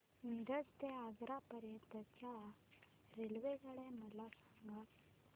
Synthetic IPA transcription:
nid̪əd͡zt̪eaɡɾapəɾjət̪ət͡ɕa | ɾelʋeɡəɭeməlasaŋɡat̪

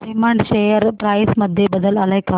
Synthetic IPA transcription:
imaːɳɖʃeːjɐɾpɾɐːjsmɐd̪ʱjebɐd̪ɐlɐlɐjkaː

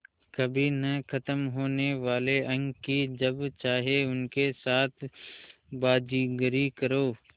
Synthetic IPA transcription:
kɐbʱinɐkʰɐt̪əmɦoːneʋaːleʔɐ̃ŋɡkːid͡ʒɐbt͡ʃaːɦeʊnkesaːt̪ʰ | baːd͡ʒiːɡəɾikəɾoː

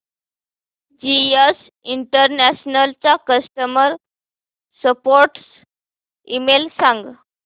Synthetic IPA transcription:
d͡ʑies | iɳʈəɾnæɕnəlt͡sakəsʈəməɾ | səpoɾʈs | imelsãŋɡ

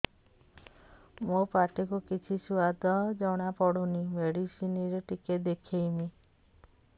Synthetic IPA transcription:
mopaʈikukit͡ʃʰisuad̪ʱɔd͡ʒɔɽ̃apɔɽunimeɽisiniɾeʈiked̪ekʰejmi

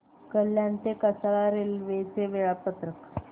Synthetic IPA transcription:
kəljant̪ekəsaɭaɾelʋet͡seʋeɭapət̪ɾək

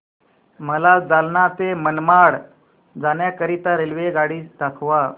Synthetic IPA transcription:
məlad͡zalnat̪emənmaɽ | d͡zanjakəɾit̪aɾelʋeɡaɽiːsd̪akʰʋa

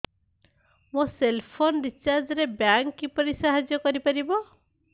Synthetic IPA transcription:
moselpʰonɾit͡ʃaɾd͡ʒɔɾebjaŋkːipɔɾisaɦad͡ʒjɔkɔɾipaɾibɔ

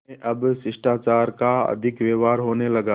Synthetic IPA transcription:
ẽʔɐbsɪʃʈaːt͡ʃaːɾkaɐ̰d̪ʱɪkʋeːʋaːɾɦoːnelɐɡaː

